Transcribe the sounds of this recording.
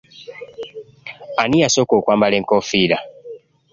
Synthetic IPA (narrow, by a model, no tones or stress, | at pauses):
anijasokokwaːmbaleŋkofiːla